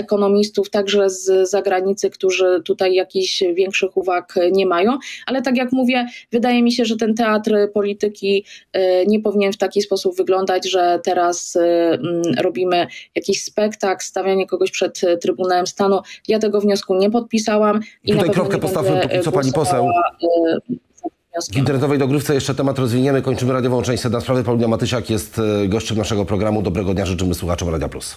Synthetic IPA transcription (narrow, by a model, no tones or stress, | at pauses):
ɛkɔnɔmʲist̪uft̪aɡʐɛzːaɡɾaɲit̪sɘkt̪uʐɘt̪ut̪ajːakʲiʑvʲjɛŋkʂɘxuvakɲɛmajɔ̃w̃ʔalɛt̪ak̬ʲjakmuvʲjɛvɘd̪ajɛmʲiɕɛʐɛt̪̬ɛnt̪ɛat̪ɾpɔlʲit̪ɘkʲi | ɲɛpɔvʲiɲɛnft̪akʲispɔsubvɘɡlɔnd̪ad͡ʑʐɛt̪ɛɾas | ɾɔbʲimɘjakʲiɕspɛkt̪akst̪avʲjaɲɛkɔɡɔɕpʂɛt̪ːɾɘbunawɛmst̪anujat̪̬ɛɡɔvɲɔskuɲɛpɔt̪̚pʲisawamtiut̪ajpɛvkɾɔt̪kɛpɔst̪avmɔɔpaɲipɔsɛwa | t̪avɲɔskʲint̪ɛɾnɛt̪ɔvɛjd̪ɔɡɾɘft̪sɛjɛʂt͡ʂɛt̪ɛmat̪ɾɔzvʲiɲɛmɘkɔɲt͡ʂɘmɘɾad̪jɔvɔ̃w̃t͡ʂɛ̃ɕt͡ɕʲsɛd̪naspɾavɘpɔuɡ̪ɲamat̪ɘɕakjɛst̪ɡɔɕt͡ɕɛmnaʂɛɡɔpɾɔɡɾamud̪ɔbɾɛɡɔd̪ɲaʐɘt͡ʂɘmɘswuxat͡ʂɔ̃mɾad̪ʲjaplus